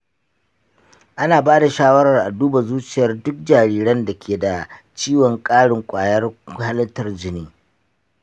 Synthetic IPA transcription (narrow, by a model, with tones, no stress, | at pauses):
ʔa˦naː˨baː˦da˨ʃaː˦wɐ˦ɾɐ˨rʔa˨duː˦ba˨zuː˦t͡ʃɪ˨jɐ˦rdʊ˦k̚d͡ʒaː˨ɾiː˦ɽɐ˦nda˨kʲʰeː˨da˨ | t͡ʃiː˦wɔ˨ŋkʼaː˦ɽɪ˨ŋkʷʼaː˨jɐ˦rha˦lɐ˦tɐ˦rd͡ʒɪ˨niː˦